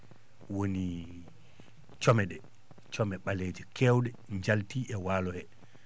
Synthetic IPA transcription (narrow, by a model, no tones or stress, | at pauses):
woni | t͡ʃɔmɛɗɛ | t͡ʃɔmɛɓaleːd͡ʒɛkʰɛwɗɛ | ɲd͡ʒaltiːʔɛwaːlɔhɛ